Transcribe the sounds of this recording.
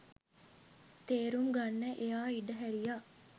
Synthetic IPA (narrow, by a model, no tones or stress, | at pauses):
t̪eːɾumɡanːeʔejaːiɖəɦæɾijaː